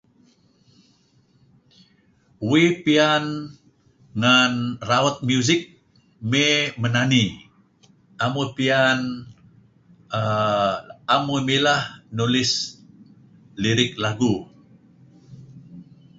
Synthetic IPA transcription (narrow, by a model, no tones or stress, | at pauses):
wipian | ŋanraɔt̪̚mjuzɪk̚ | memənani | amupian | amumilahnulɪs | liɾɪk̚laɡu